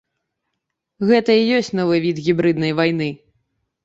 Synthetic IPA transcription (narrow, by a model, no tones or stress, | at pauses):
ɣɛt̪ɐijɔsʲt͡sʲnɔvɨvʲit̪ɣʲibɾɨd̪nɐjvajnɨ